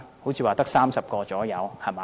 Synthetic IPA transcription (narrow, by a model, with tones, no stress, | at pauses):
ho˨˥wt͡sʰiː˨˧waː˨t̪ɐ˥k̚saː˥msɐ˨p̚kɔː˧t͡sɔː˨˥jɐ˨˧whɐ˨maː˨